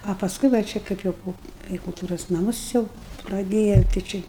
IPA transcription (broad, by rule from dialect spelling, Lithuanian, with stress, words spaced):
oː pɐˈskʊɪ ʋɐ ˈt͡ʃʲɛ ˈkɐɪp jɛʊ ˈpoː kɐɪ kʊlˠˈtuːroːs nɐˈmʊs ˈjɛʊ prɐˈdʲeːjɛʊ tɐɪ ˈt͡ʃʲɪ